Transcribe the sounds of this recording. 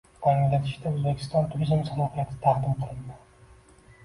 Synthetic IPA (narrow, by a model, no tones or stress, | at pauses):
ɒllʲat̪ʰɪʃd̪aɵzbekʲʰɪ̥st̪ɒnt̪ʰʊɾizmsalɒhijat̪ʰɪt̪ʰaχd̪ɪmqʰɨlˠɪnd̪ɪ